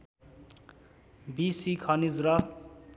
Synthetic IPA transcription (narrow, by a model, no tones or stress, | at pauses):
bisikʰʌnizɾʌ